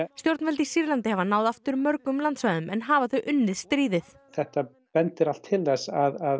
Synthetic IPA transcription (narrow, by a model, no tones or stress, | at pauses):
st̪jowɾt̪nfɛlt̪isiɾlant̪ɪhɛvanaːwðaft̪ʏɾmœɾkʏmlant̪svaðʏmɛnɦaːvaθœɥʔʏnːɪðst̪ɾiːðɪθ | θɛht̪a | pɛnt̪ɪɾal̥t̪ʰːɪlðɛsaðað